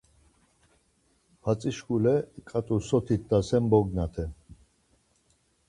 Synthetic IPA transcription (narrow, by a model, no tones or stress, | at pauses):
pʰat͡sʼiʃkulɛikʼat̪ʼusɔt̪ʰit̪̚ʰd̪asɛmbɔɡnat̪ʰɛ